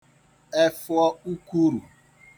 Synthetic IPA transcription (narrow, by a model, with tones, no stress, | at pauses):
e˦fʊ˦ɔ˦u˦ku˦ɾu˨